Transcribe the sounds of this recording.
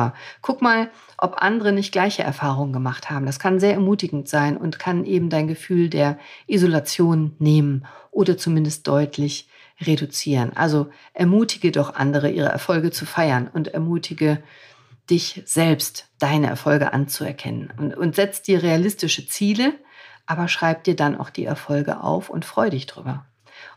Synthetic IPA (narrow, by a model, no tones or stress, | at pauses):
ɐkʰʊkmaːl | ʔɔpʔa̰ndəʁənɪçt̚ɡ̥laɪçəʔɛ̰ɐfaːʁ̞ʊŋəɡəmaχthaːbm̩d̥askʰanzeːɐɛɐmuːtɪɡŋ̩tz̥aɪnʔʊ̰ntkʰanʔeːbm̩daɪnɡəfyːldeːɐʔizolat͡sjoːnːeːmənʔoːdɐt͡sumɪndəst̚d̥ɔʏtʰlɪç | ʁedut͡siːʁənʔa̰lzo | ʔɛɐmuːtʰɪɡədɔχʔa̰ndəʁ̞əʔiːʁə̰ʔɛ̰ɐfɔlɡət͡sufaɪɐnʊntɛɐmuːtʰɪɡə | d̥ɪçz̥ɛlpstd̥aɪnəʔɛ̰ɐfɔlɡə̰ʔa̰nt͡suɛ̰ɐkʰɛ̰nə̰nʊntz̥ɛt͡std̥iːɐʁealɪstɪʃət͡siːlə | ʔaːbɐʃʁ̥aɪp̚d̥iːɐdanʔa̰ʊxd̥ḭːʔɛ̰ɐfɔlɡə̰ʔa̰ʊfʊ̰ntfʁ̥ɔʏdɪçd̥ʁ̥y̰ːbɐ